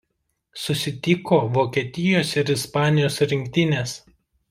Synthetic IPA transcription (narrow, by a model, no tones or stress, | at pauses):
sʊsʲɪt̪ʲɪkoːʋoːkʲɛt̪ʲɪjoːsɪɾɪspɑːnʲɪjoːsɾʲɪŋʲkʲt̪ʲɪnʲeːs